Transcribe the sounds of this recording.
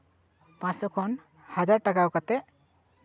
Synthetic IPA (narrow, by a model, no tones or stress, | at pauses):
pãsɔkʰɔn | had͡ʒaɹʈakawkat̪ɛ